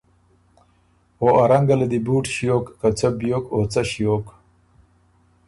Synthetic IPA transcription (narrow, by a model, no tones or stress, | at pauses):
oʔɐɾaŋɡɐlɐd̪ibuːʈɕjoːkːat͡sɐbjoːkoːt͡sɐɕijoːk